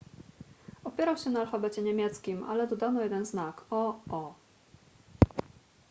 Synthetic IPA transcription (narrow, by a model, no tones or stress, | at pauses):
ɔpʲjɛɾawɕɛnaːlfabɛt͡ɕɛɲɛmʲjɛt̪skʲima̰lɛd̪ɔd̪anɔjɛd̪ɛnznakɔɔ